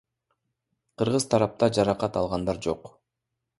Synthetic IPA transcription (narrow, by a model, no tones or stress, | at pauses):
qʰɯɾʁɯz̥t̪ʰɑɾɑp̚t̪ɑd͡ʒɑɾɑqɑt̪ɑlˠʁɑnd̪ɑɾd͡ʒoq